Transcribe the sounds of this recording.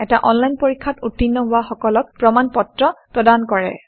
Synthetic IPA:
ɛtaʔɔnlajnpoɹikʰːatutːinːɔɦʊwaxɔkɔlɔk̚pɹɔmanpɔtɹɔpɹɔdankɔɹɛ̰

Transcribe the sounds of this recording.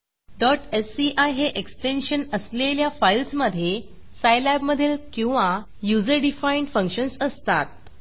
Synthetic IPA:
ɖɔʈesiʔajɦeʔeksʈenɕənəsleljafajlsməd̪ʱje | sajlæbməd̪ʱelkĩw̃ʋa | jud͡zəɾɖifaiɳɖfə̃ŋkɕənsəst̪at̪̚

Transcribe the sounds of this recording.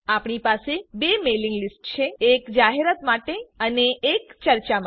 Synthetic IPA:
apɳ̃ipasebemeliŋɡlisʈt͡ʃʰeːkd͡ʒaɦeɾat̪maʈeəneːkt͡ʃəɾt͡ʃam

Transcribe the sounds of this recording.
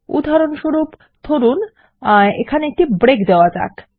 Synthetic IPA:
ṵd̪ʱːaɾonʃoɾup | t̪ʰoɾun | ḛkʰaneek̚ʈibɾekd̪eoad͡ʑa̰k

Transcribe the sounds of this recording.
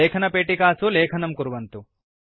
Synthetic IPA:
eːkʰɐnɐpeːʈikaːsuleːkʰɐnɐmkuɾʋɐnt̪u

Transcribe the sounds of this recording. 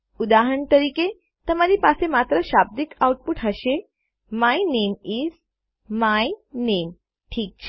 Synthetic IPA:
ud̪aɦəɳt̪əɾiːke | t̪əmaɾiːpasemat̪ɾəɕab̚d̪ikauʈ̚puʈɦəɕe | majnemiːz | majnem | ʈʰiːk̚t͡ɕʰe̥

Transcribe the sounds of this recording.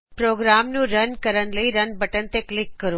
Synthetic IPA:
pɾoːɡɾaːmnũɾɐnkɐɾənɪ̆lɐiɾɐnbʱɐʈənɪ̆t̪eklɪkːɐɾo

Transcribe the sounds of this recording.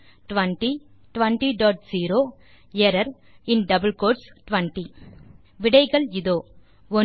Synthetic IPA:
ʈʋɐɳʈi | ʈʋɐɳʈiɖɔːʈ̚siːɾoː | ɪɐɾɐɾ | ɪnɖɐbəlkoːʈsʈʋɐɳʈi | ʋɪɽɐɪɣɐɭɪðoː | ɔ

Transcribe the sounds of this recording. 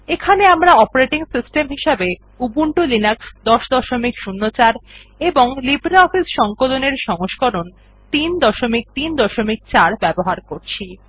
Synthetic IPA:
ekʰaneamɾaɔpoɾeʈiŋsisʈemɦiʃabe | ubuɳʈulinaksd̪ɔʃd̪ɔʃomikʃunːot͡ɕaɾ | eboŋlibɾeɔfisʃɔŋkoloneɾʃɔŋoʃkɔɾon | t̪ind̪ɔʃomik̚t̪ind̪ɔʃomik̚t͡ɕaɾbɛboɦaɾkoɾt͡ɕʰi

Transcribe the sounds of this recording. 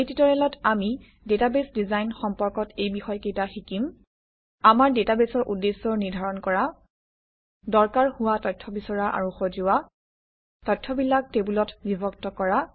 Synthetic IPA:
ejtitɔɹɛlɔtami | detabesdizajnxɔmpɔɹkɔtʰejbixɔjkejtaxikim | amaɹdetabesɔɹʔudːesːɔɹniɹdʱaɹɔnkɔɹa | dɔɹkaɹhʊwatɔjtʰːɔbisɔɹaʔa̰ɹuxɔzʊa | tɔjtʰːɔbilak̚tebulɔtbibʱɔk̚tɔkɔɹa

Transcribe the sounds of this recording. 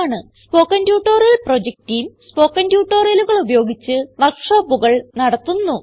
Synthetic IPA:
ɳɨspo̞ːkːɐndjuːʈːoːrɐlprod͡ʑek̚tijmspo̞ːkːɐndjuːʈːoːriɐluɣɐɭubɐjo̞ːɡit͡ɕːɨʋɐlkʂɐːbuɣɐɭnɐɽɐt̪ːunːu

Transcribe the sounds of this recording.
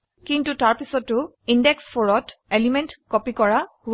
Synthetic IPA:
kintutaɹpisɔtːʊ | indɛkspʰɔɹɔtelimɛntkɔpikɔɹahu

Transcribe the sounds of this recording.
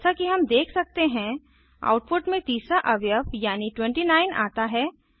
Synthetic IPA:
sakiɦɐmd̪eːkʰsɐk̚t̪eɦɛ̃ | a̰ːʊʈ̚pʊʈmẽt̪iːsaʔɐʋjəfjaːniʈwɛ̃ɳʈinaːɪnʔa̰ːt̪aɦɛː

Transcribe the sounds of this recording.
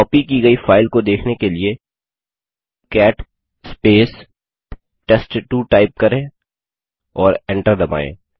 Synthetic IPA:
ɔːpikiɡɐifaːɪlkod̪eːkʰnekelie | kɛːʈ | speːs | ʈesʈʈuʈaːɪp̚kɐɾẽː | ɔːɾɛ̃ɳʈəɾd̪ɐba̰ːḛ̃ː

